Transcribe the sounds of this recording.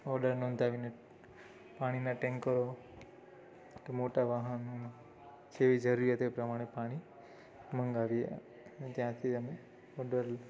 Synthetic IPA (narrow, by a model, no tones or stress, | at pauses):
ɔɖəɾnɔ̃ːnd̪ʱaʋine | paɽ̃inaʈẽŋkːəɾo | t̪omoʈaʋaɦənon | d͡ʒeʋid͡ʒəɾuɾjat̪epɾəmaɽ̃epaɽ̃i | məŋɡaʋiḛ | net̪jãt̪ʰid͡ʒəme | ɔɖəɾ